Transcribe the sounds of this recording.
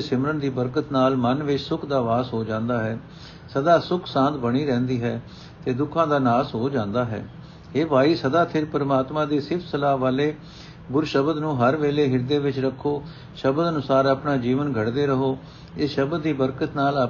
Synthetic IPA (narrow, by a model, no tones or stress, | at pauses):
sɪmɾənd̪iːbəɾkət̪naːlmənʋɪt͡ʃsʊkʰd̪aːʋaːzɦoːd͡ʒãːnd̪aːɦɛː | səd̪aːsʊkʰsãːnt̪bəɽiːɾɛ̃ːnd̪iːɦɛː | t̪eːd̪ʊkʰãːd̪aːnaːsɦoːd͡ʒãːnd̪aːɦɛ̰ː | eːpaːiːsəd̪aːp̪ʰɪɾpəɾmaːt̪mãːd̪eːsɪɾpsəlaːɦʋaːleː | ɡʊɾʃəbəd̪nũːɦəɾʋeːleːɦɪɾd̪eːʋɪt͡ʃɾəkʰːoː | ʃəbəd̪ənʊsaːɾaːpnaːd͡ʒiːʋənɡʱəɽd̪eːɾəɦoː | ɪsʃəbd̪ːiːbəɾkət̪naːl